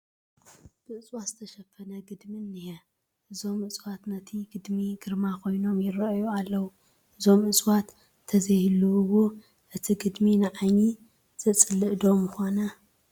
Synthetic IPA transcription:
b̥ɨʔɨsʼwaz̥ɨt̪ʰɐʃɐfɐnɐɡɨd̪minːihɐ | ʔɨzo̞mɨsʼwat̪nɐt̪ʰiɡɨd̪miɡɨɾmakʰo̞jno̞mjɪɾɐjualːɐwu | ʔɨzo̞mɨsʼwat̪ʰː | ɐzɐjhlːɨwu | ʔɨt̪ʰiɡɨd̪minɨʕaɲi | z̥ɨt͡sʼɨlɨʔd̪o̞mɨxonɐ

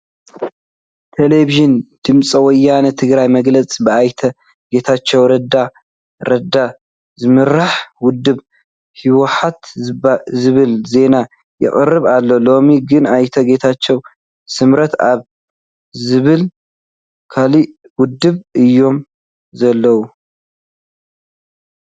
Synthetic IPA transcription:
t̪ʰeleβiʒɨnd̪̥ɨmt͡sʼɐwɔjːanɐt̪ʰɨɡɾajmɐɡlɐt͡sʼbɨajt̪ʰɐ | ɡe̞t̪ʰat͡ʃːɛwɾɐd̪a | ɾɐd̪a | zɨmɨɾaħwʊd̪ːɨβ | hiwɔħat̪ | zɨβɨlze̞na | jɪ̰χʼɨrːɨβalːolo̞miɡɨnajt̪ʰɐɡe̞t̪ʰat͡ʃːɛw | sɨmɾɐt̪aβ | zɨβɨl | kʰali | wʊd̪ːɨβʔɨjːo̞m | zɐlːɐwu

